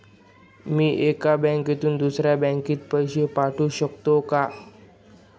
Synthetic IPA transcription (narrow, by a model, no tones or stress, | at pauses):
miʔekabɛŋket̪und̪usɾabɛŋkit̪̚pəjʃepaʈuʃɔk̚t̪okaʔ